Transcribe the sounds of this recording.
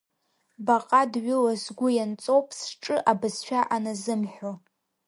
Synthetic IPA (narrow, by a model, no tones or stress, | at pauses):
baqʼadɥʊlazɡʷʊjant͡sʼo̞wpʼsʈ͡ʂʼɨʔabɨzʃʷᶣaʔanazɨmħʷᶣo